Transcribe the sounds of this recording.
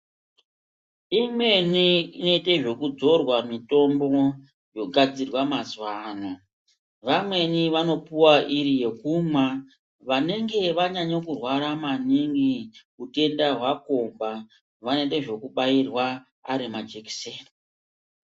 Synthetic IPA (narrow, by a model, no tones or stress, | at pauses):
imwe̞niino̞ite̞ʐo̞kud͡zo̞rwamito̞mbo̞ | jo̞ɡʱad͡zirwamazwaːna | ʋamwe̞niʋano̞puwaʔiɾije̞kumwa | ʋane̞ŋɡe̞ʋaɲaɲokurwaɾamaniŋɡi | ute̞ndaɦwako̞mba | ʋaneteʐo̞kuɓairwa | aɾimad͡ʒeki̥sen